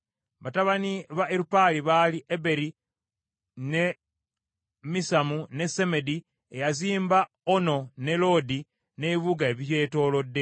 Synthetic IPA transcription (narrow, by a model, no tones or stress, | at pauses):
βataβaniβaeɾupaliβaliʔebe̞ɾi | ne̞ | misamune̞se̞me̞di | ejaziːmba | ono̞ne̞lo̞di | ne̞βiβuɡaeβiɾje̞ːto̞ːlo̞dːe̞